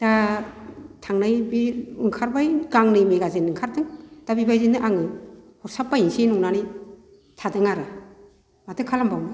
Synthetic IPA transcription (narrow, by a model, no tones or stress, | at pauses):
d̥a | tʰaŋnajbiɯŋkʰaɾbajɡaŋnɯjmeɡazenɯŋkʰaɾdɯŋd̥abibajzinɯʔaŋɯ | hɔɾsapːajiŋsenuŋnanij | tʰadɯŋaɾɯ | batɯkʰalambawnɯ